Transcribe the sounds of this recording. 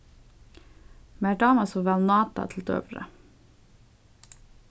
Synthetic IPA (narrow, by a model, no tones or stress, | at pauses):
mæːɖɑːmɑsoʋælnɑːt̪ɑ̰t̪ʰl̩t̪ø̰ːʋɾə̰